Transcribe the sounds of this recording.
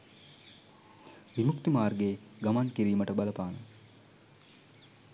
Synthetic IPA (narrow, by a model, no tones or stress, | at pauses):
ʋimukt̪imaːrɡeːɡamaŋkiɾiːməʈəbaləpaːnə